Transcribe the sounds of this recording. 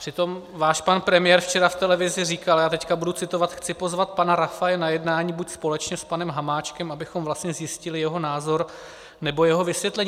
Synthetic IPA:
pr̥ɪt̪o̞m | vaːʃpanpɾɛmɪjɛːɾft͡ʃɛɾaft̪ɛlɛvɪzɪriːkaljaːt̪ɛckabudut͡sɪt̪o̞vat̪xt͡sɪpo̞zvat̪̚panaɾafajɛnajɛdnaːɲiːbucspo̞lɛt͡ʃɲɛspanɛmɦamaːt͡ʃkɛmabɪxomvlast̪ɲɛzjɪscɪlɪjɛɦo̞naːzo̞ɾ | nɛbo̞jɛɦo̞vɪsvjɛt̪lɛɲː

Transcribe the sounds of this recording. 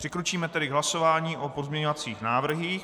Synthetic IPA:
r̥ɪkɾut͡ʃiːmɛt̪ɛdɪɡɦlaso̞vaːɲiːʔopo̞zmɲɛɲo̞vat͡siːxnaːvr̩ɦiːx

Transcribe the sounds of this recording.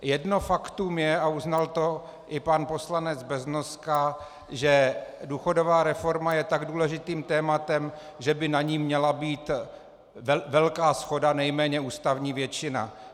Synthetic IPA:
jɛdnofakt̪uːmjɛauznalt̪o̞ | ʔɪpanpo̞slanɛd͡zbɛznoska | ʒɛduːxo̞do̞vaːɾɛfo̞ɾmajɛt̪aɡduːlɛʒɪt̪iːmt̪ɛːmat̪ɛm | ʒɛbɪnaɲiːmɲɛlabiːt̪ | vɛlkaːsxo̞danɛjmɛːɲɛuːst̪avɲiːvjɛt͡ʃɪna̰

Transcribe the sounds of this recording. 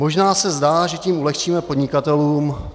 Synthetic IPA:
mo̞ʒnaːsɛzdaːʒɛciːmʔulɛxt͡ʃiːmɛpo̞dɲɪkat̪ɛluːm

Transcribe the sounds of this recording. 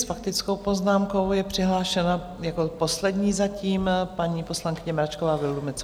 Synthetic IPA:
sfak̚t̪ɪt͡skowpo̞znaːmko̞wjɛpr̝̥ɪɦlaːʃɛna | jako̞po̞slɛdɲiːzaciːmpaɲiːpo̞slaŋkɪɲɛmɾat͡ʃkovaːvɪldumɪt͡s

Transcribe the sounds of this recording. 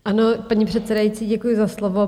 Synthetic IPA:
ʔanopaɲipr̥ɛt̪t͡sɛdajit͡siːɟɛkujʊzaslovo

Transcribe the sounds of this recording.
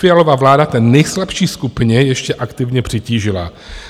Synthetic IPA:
fɪjalovavlaːdat̪ɛnːɛjslapʃiːskupɪɲɛjɛʃcɛʔakt̪ɪvɲɛpr̥ɪciːʒɪla̰

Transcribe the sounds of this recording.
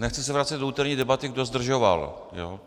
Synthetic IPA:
nɛxt͡sɪs̬ɛvɾat͡sɛd̪douːt̪ɛɾɲiːdɛbat̪ɪɡdo̞zd̪r̩ʒova̰l | jo̰ː

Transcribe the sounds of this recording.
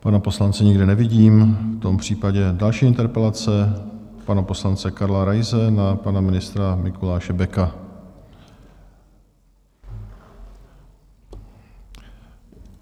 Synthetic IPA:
panapo̞slant͡sɪɲɪɡdɪnɛvɪɟiːmft̪o̞mpr̝̥iːpaɟɛdalʃiːɪnt̪ɛɾpɛlat͡sɛpanapo̞slant͡sɛkaɾlaɾajzɛnapanamɪnɪst̪ɾamɪkolaːʃɛbɛka

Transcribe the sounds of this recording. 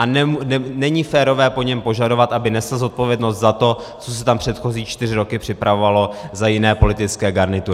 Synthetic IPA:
ʔanɛɛnɛɲifɛːɾo̞vɛːpo̞ɲɛmpo̞ʒado̞vat̪ʔabɪnɛslzo̞t̪̚po̞vjɛdno̞st̪zat̪o̞ | t͡sos̬ɛt̪ampr̝̥ɛt̪xo̞ziːt͡ʃt̪ɪrɪɾo̞kɪpr̝̥ɪpɾavo̞valo̞zajɪnɛːpo̞lɪt̪ɪt͡skɛːɡaɾnɪt̪uɾɪ

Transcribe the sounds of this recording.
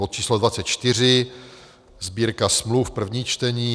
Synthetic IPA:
ot̪̚t͡ʃiːslodvat͡sɛt̪̚t͡ʃt̪ɪr̝ɪ | zbiːɾkasmlufpr̩vɲiːt͡ʃt̪ɛɲiː

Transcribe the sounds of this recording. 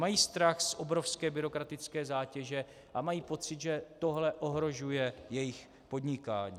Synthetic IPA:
majiːst̪ɾaxsʔobɾo̞fskɛːbɪɾo̞kɾat̪ɪt͡skɛːzaːcɛʒɛ | ʔamajiːpo̞t͡sɪt̪ʒɛt̪o̞ɦlɛʔo̞ɦɾo̞ʒujɛjɛjɪx | po̞d̪ɲɪkaːɲiː

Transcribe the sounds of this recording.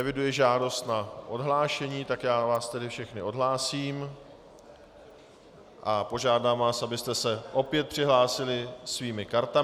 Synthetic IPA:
ɛvɪdujɪʒaːdo̞st̪naʔo̞dɦlaːʃɛɲiːt̪akjaːvaːst̪ɛdɪfʃɛxnɪʔo̞dɦlaːsiːm | ʔapo̞ʒaːdaːmvaːsʔabɪst̪ɛsɛʔo̞pjɛt̪̚pr̝̥ɪɦlaːsɪlɪsviːmɪkaɾt̪a

